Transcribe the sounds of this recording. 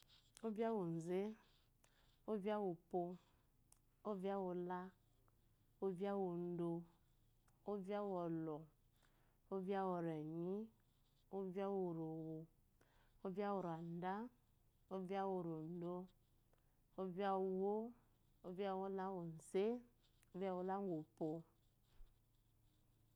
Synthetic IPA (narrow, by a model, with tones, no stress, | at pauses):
o˦vja˦wo˨n̩˨ze˦ | o˦vi˦a˦wo˨po˧ | o˦vi˦a˦wo˨la˦ | o˦va˦wo˨n̩˦do˨ | o˦vi˦a˦wɔ˨lɔ˨ | o˦va˦wɔ˨ɾɛ˨ɲi˦ | o˦vi˦a˦wo˨ɾo˨wo˨ | o˦vi˦a˦wo˨ɾa˨n˦da˦ | o˦vi˦a˦wo˨ɾo˨n̩˦do˦ | o˦vi˦a˦˨wo˦ | o˦vja˦wo˦la˦wo˨n˨se˦ | o˦va˦wo˨la˦o˨po˨